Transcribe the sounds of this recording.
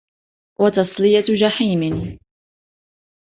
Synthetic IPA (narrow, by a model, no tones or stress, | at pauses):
wʔɑt̪ɑsˤlɪjad͡ʒaħiːmɪ